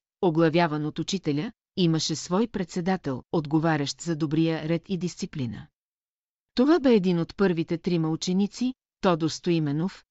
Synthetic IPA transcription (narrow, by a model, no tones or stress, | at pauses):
oɡlˠɐvʲjavɐnot̪ut͡ʃit̪ɛlʲə | iməʃɛsvɔjpɾɛt̪sɛd̪at̪ɛlˠod̪ɡovaɾʲɐʃt̪zɐd̪obɾijəɾɛt̪ʰid̪ist̪siplinə̰ | t̪ovabɛːd̪inot̪pɤɾvit̪ɛt̪ɾimɐlˠt͡ʃɛnit̪si | t̪ɔd̪ost̪oimɛnof